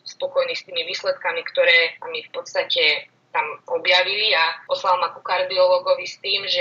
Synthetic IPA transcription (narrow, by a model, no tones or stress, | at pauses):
spɔkɔjniːst̪iːmiʋiːslɛt̪kamikt̪ɔɾɛːmifpɔt̪st̪acɛ | t̪amɔbjaʋiliapɔslalmakukaɾd̪iɔlɔːɡɔʋist̪iːmʒɛ